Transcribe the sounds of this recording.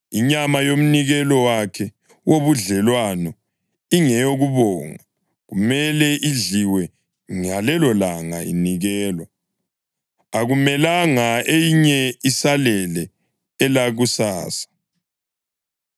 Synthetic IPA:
iɲamajom̩niɣɛlɔwakʰɛ | woβuɮɛlwanɔ | iŋɛjoɣuβɔːŋa | ɣumɛlɛʔiɮiwɛ | ŋalɛlɔlaŋaḭniɣɛːlwa | aɣumɛlaŋaejiɲɛisalɛlɛː | laɣusaːsḁ

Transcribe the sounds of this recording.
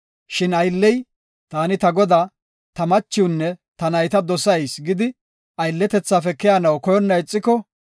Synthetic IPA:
ʃɪnɐjlːɛj | t̪aːnɪt̪ɐɡɔd̪aː | t̪ɐmɐt͡ʃːɪwnːɛt̪ɐnɐjt̪ɐd̪ɔsɐjsɡɪd̪ɪ | ʔɐjlːɛt̪ɛt͡sːaːfɛkɛjaːnɐwkɔjɔnːɐjɪt͡sʼːɪkɔ

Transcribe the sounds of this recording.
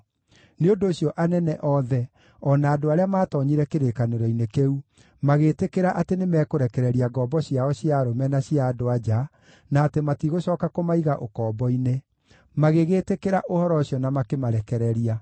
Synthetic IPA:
neondoːɕiɔʔanɛnɛʔɔðɛ | ɔnaːdoaɾeamaːtɔɲiɾɛkeɾekaneɾɔinekeu | maɣetekeɾaʔatenemɛːkoɾɛkɛɾɛɾiaɡɔːbɔɕjaɔɕjaɾomɛnaɕiadoad͡ʑa | naːtematiɣoɕɔːkakomaiɣaʔokɔːbɔine | maɣeɣeːtekeɾaʔohɔɾɔɕjɔnamakemaɾɛkɛɾɛɾia

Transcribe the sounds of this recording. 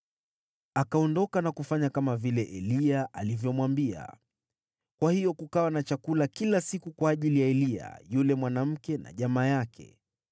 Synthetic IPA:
akaɔndɔkanakufaɲakamavilɛʔɛliaʔalivjɔmwambia̰ | kwahijɔkukawanat͡ʃakulakilasikukwaːʄilijaɛlia̰julɛmwanam̩kɛna̰ʄamaːjakʰɛ̰

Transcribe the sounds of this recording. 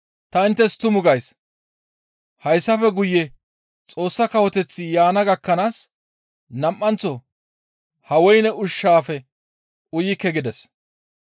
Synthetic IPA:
t̪ɐɪnt̪ːɛst̪ʊmʊɡɐjs | hɐjsːɐfɛɡʊjːɛ | t͡sʼo̞ːsːɐkɐwɔt̪ɛt͡sːɪjaːnɐɡɐkːɐnaːs | nɐmʔːɐnt͡sɔ | hɐwɔjnɛʊʃːaːfɛ | ʔʊjɪkːɛɡɪd̪ɛs

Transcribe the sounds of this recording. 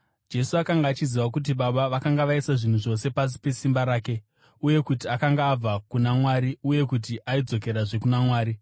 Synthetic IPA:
d͡ʒe̞suakaŋɡaːt͡ʃiziʋak̬ut̬iɓaɓaʋakaŋɡaʋaisaʐin̤uʐo̞se̞pas̬i̥pe̞simbaɾaːke̞ | uje̞kutiakaŋɡaːb͡vakunamwaːɾiuje̞kut̬iʔaid͡zo̞ke̞ɾaʐe̞kunamwaːɾi

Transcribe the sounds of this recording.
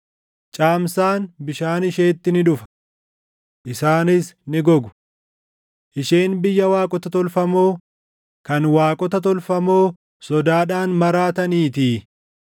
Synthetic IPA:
t͡ʃʼaːmsaːnbɪʃaːnɪʃe̞ːt̪ːɪnɪᶑʊfɐ̥ | ʔɪsaːnɪsnɪɡɔɡʊ̥ | ʔɪʃeːnbɪjːɐwaːkʼɔt̪ɐt̪ɔlfɐmo̞ː | kɐnwaːkʼɔt̪ɐt̪̬ɔlfɐmo̞ː | sɔd̪aːᶑaːnmɐɾaːt̪ɐniːt̪iː

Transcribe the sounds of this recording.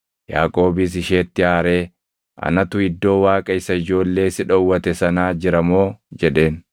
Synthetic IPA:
ja̰ːkʼo̞ːbɪs̬ɪʃe̞ːt̪ːɪaːɾe̞ː | ʔɐ̰nɐt̪ʊɪd̪ːo̞ːwaːkʼɐɪsɐɪd͡ʒo̞ːlːe̞ːsɪᶑɐʊwːɐt̪ɛsɐnaːd͡ʒɪɾɐmo̞ːd͡ʒɛᶑe̞ːn

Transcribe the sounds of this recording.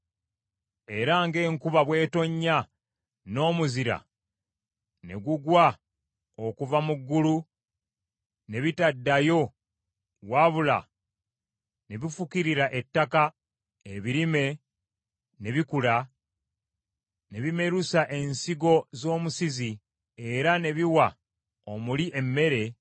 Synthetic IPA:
e̞ɾaŋɡe̞ːŋkuβaβwe̞ːto̞ɲːa | no̞ːmuziɾa̰ | ne̞̰ɡuɡwa | okuvamuɡːulu | ne̞βitadːajo̞ | waβula̰ | ne̞βifukiɾiɾaʔe̞tːaka | eβiɾime̞ | ne̞βikula | ne̞βime̞ɾusaʔe̞nsiɡo̞zo̞ːmusizi | e̞ɾane̞βiwa | omuliʔe̞mːe̞ɾe̞

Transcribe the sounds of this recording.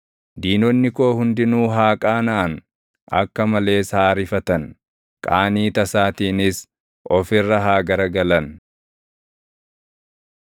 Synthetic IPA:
d̪iːnɔnːɪkoːhʊnd̪ɪnuːɦaːkʼaːnaːn | ʔɐ̰kːɐmɐle̞ːshaːɾɪfɐt̪ɐn | kʼaːniːt̪ɐsaːt̪iːnɪs | ʔɔfɪrːɐɦaːɡɐɾɐɡɐlɐn

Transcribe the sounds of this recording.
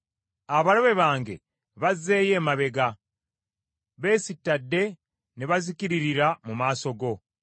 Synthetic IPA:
aβaɾoβe̞βaːŋɡe̞ | βaze̞ːje̞ːmaβe̞ɡa | βe̞ːsitːadːe̞ | neβazikiɾiɾiɾamumaːso̞ɡo̞

